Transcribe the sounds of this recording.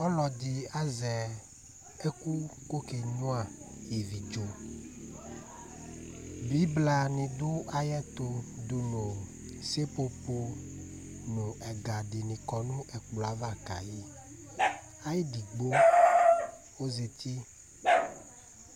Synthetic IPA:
ɔ˦lɔ˨d̪i˨a˦zɛ˨ | e˦ku˦ko˦ke˨ɲũ˦a˨ji˨vi˨d͡ʒo˨ | bi˦bla˨nĩ˨do˦a˦jɛ˦t̪o˨d̪u˨nõ˨ | se˦po˦po˦ | nũ˨ʔɛ˨ɡa˨ɖi˨nĩ˨kɔ˨nũ˦ʔɛ˨k͡plɔ˨a˦va˦˨ka̰˨ji˦ | a˦ji˦di˨ɡ͡bo˦ | wo˦ze˨t̪ʰi˦

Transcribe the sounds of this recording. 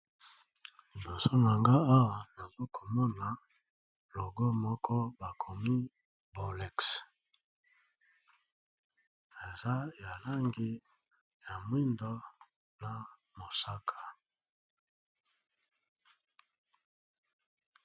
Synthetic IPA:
li˨bo˨so˦na˨ŋɡa˦a˦wa˨na˨zo˦ko̥˨mɔ˦na˨ | lo˨ɡo˦mɔ˦kʰɔ˦ba˨kʰo˨mi˦ | bo˨lɛ˨ks | e˨za˦ja˨la˦ŋɡi˦ | ja˨mwi˦ndɔ˦ | na˨mo˨sa˦kʰḁ˨

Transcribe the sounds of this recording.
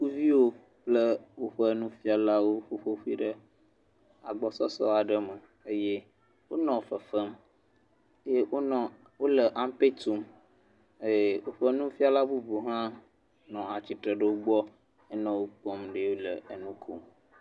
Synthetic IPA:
ku˦vi˦wo˦ | k͡plə˦wo˦ɸə˦nũ˦fi˦a˨la˦wo˦ɸo˦ɸo˦ɸu˦i˦ɖə˦ | a̰˨ɡ͡bɔ˨sɔ˦sɔ̰˦a˨ɖə˦mə˨ | e˦je˦ | wo˦nɔ̃˨fə˨fə˦m˦ | je˦wo˦nɔ̃˨ | wo˦lə˨ʔã˦m˦pe˦t̪u˨m | e˨wo˦ɸə˦nũ˦fi˦a˦la˦bu˦bu˨ɦã˦ | nɔ̃˨a˨t͡ɕi˨t̪ɾə˨ɖə˦wo˦ɡ͡bɔ˦ | ɛ˦nɔ̃˨wo˦k͡pɔ˦mɖe˦wo˦lə̰˨ə˨nũ˦kʰṵ˦˨m

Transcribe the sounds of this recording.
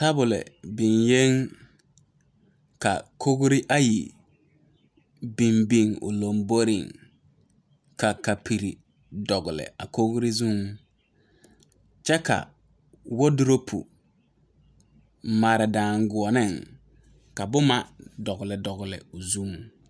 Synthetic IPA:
ta˦bʊ˨lɛ̰˨bɪ˨nje˦ŋ | ka̰˨kʰo˦ɡʊ˦ɾɪ˦ʔa˦ji˨ | bi˨mbi˦ŋʊ̰˨lo˨mbo˦ɾɪ˦˨ŋ | ka˨ka˨pʰi˨ɾi˨ | dɔ˨ɡʊ˨lɪ̰˨a̰˨ko˦ɡʊ˦ɾɪ˦zu˦ŋ | t͡ʃɛ˦ka̰˨ | wo˦dʊ˦ɾo˦pʰṵ˨ | ma˨ɾɪ˨daː˨ŋɡʊ˨ɔ˨nɪ˦˨ŋ | ka˨bʊ˦ma˦dɔ˨ɡʊ˨lɪ˨dɔ˨ɣʊ˨lɪ̰˨ʊ˨zu˦ŋ

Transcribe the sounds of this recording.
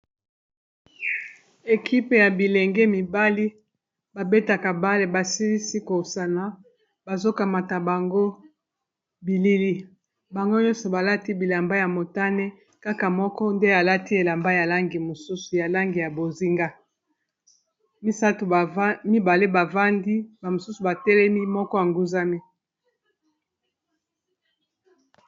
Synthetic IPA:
e˨kʰi˦pe˨ja˨bi˨le˨ŋɡɛ˦mi˨ba˦li˦ | ba˨be˦ta˨ka˨ba˦le˨ba˨si˦li˦si˦ko˨sa˨na˨ | ba˨zo˦ka˨ma˨ta˨ba˨ŋɡo˦ | bi˨li˦li˦ | ba˨ŋɡo˦ɲɔ˦sɔ˨ba˨la˦ti˦bi˨la˨mba˦ja˨mo˨ta˦ne˦ | ka˦ka˨mɔ˦kɔ˦nde˦a˨la˦ti˦e˨la˨mba˦ja˨la˦ŋɡi˨mo˨su˦su˨ja˨la˦ŋɡi˨ja˨bo˨zi˦ŋɡa˦ | mi˦sa˦to˨˦mi˦ba˨le˦ba˨va˦ndi˦ba˨mo˨su˦su˨ba˨tɛ˦lɛ˦mi˦mɔ˦kɔ˦ja˨ŋɡu˦za˦mi˦

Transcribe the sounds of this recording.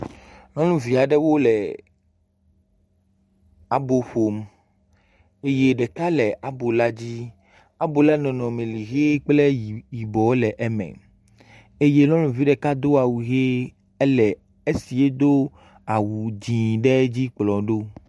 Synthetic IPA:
lɔ̃˦lũ˦vi˨a˨ɖɛ˦wo˦lɛ˨ | a˨bo˨ɸo˨m | e˦je˦ɖɛ˨ka˦lɛ˨ʔa˨bo˨la˦d͡ʑi˦ | a˦bo˨lɛ˦nɔ̃˨nɔ̃˨mẽ˨li˨ɣe˦k͡ple˦˨ji˨bɔ˨˦lɛ˨ʔɛ˨mɛ̰̃˨ | e˦je˦lɔ̃˦lũ˨vi˦ɖɛ˨ka˦d̪o˦a˨wu˨ɣe˦ | e˦lɛ˨ | e˦si˨e˦d̪o˦ | a˨wu˨d͡ʑĩ˨ɖɛ˦d͡ʑi˦k͡plɔ˨ɖo˦

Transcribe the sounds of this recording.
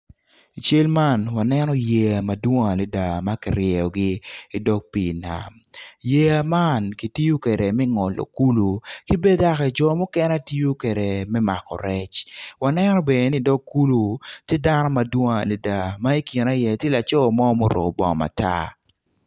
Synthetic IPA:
i˨t͡ʃe˦lma˦˨nwa˨nɛ˦nɔ˦je˨a˨ma˨dwɔ˦ŋa˨le˨da˨ma˦ki˨ɾjɛ˨ɔ˨ɡɪ˦i˦dɔ˦k̚pi˨na̰˨m | je˨a˨ma˦nki˨ti˦jo˦ke˨ɾe˨mɛ˦ŋɔ˨lo̰˨ku˦lo˨ki˦be˦da˦kɛ˨d͡ʒɔ˨mɔ˦kɛ˦n˦a˦ti˦o˦kwe˨ɾe˨mɛ˦ma̰˨kɔ̰˨ɾɛ˦t͡ʃwa˨nɛ˦nɔ˦be˨e˨ni˦dɔ˦kːu˦lo˨tje˦da˦nɔ˦ma˨dwɔ˦ŋa˨le˨da˨ma˦i˦ki˨na˦jɛ˨tje˦la˨t͡ʃɔ˦˨mɔ˦mo˦ɾo̰˨bɔ̰˨ŋ˨ma̰˨ta̰˦

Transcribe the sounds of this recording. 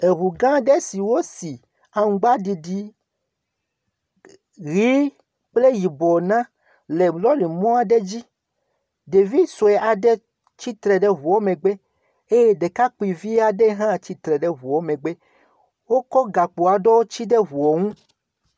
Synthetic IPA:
e˨βu˨ɡã˦ɖe˦si˨wo˦si˨ | a˨ŋ˨ɡ͡ba˦di˨ɖi˦ | ɣi˦ | k͡ple˦ji˨bɔ˨nã˦ | le˨lɔ˦li˨mɔ̃˦a˨ɖe˦d͡ʑi˦ | de˨vi˦so˨ɛ˨ʔa˨ɖe˦ | t͡ʃi˦t̪ɾɛ˨ɖe˦βu˨ɔ˦mẽ˨ɡ͡be˦ | e˦je˦ɖe˨ka˦k͡pi˨vi˦a˨ɖe˦ɦã˦t͡ɕi˦t̪ɾɛ˨ɖe˦βu˨wɔ˦mẽ˨ɡ͡be˦ | wo˦kɔ˦ɡa˨k͡po˨a˨ɖɔ˦wo˦t͡ʃi˦ɖe˦βu˨ɔ˨ŋũ˦

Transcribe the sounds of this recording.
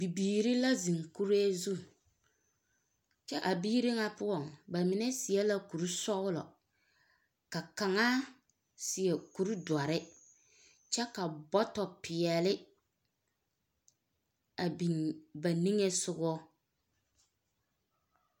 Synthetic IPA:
bi˨biː˨ɾi˦la˦zi˨ŋku˦ɾeː˦zu˦ | t͡ʃɛ˦ʔa˨biː˦ɾɪ˦ŋa˨pʊ˦ɔ˨ŋba˨mɪ˨nɛ˦sɪ˨ɛ˦la˦ku˨ɾu˦sɔ˦ɣʊ˦lɔ̰˨ | ka˨ka˨ŋa˦ | sɪ˨ɛ˨ku˨ɾu˦dwa˨ɾɪ˦ | t͡ʃɛ˦ka˨bɔ˦tɔ˨pɪ˨ɛ˨lɪ˦ | a˨bi˨nba˨ni˦ŋɛ˦sʊ˦ɣɔ˦

